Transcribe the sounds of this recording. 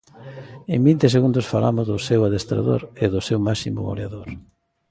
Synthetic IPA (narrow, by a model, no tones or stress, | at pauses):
eŋbint̪eseɣund̪ʊsfalamʊzðʊsewaðest̪ɾa̰ðo̰ɾeðʊsewmasimʊ̰o̰laðoɾ